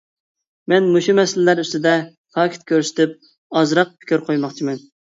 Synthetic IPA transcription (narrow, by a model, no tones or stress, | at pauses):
mɛnmoʃumɛsɪlɪlæɾyst̪ɪd̪ɛ | t̪ʰɑːkʲʰɪ̥t̪̚kʲøɾsɪ̥t̪ʰɪp̚ | ɑzɾɑq̚pʰɪ̥kʲʰyɾqʰojmɑχt͡ʃʰimɛn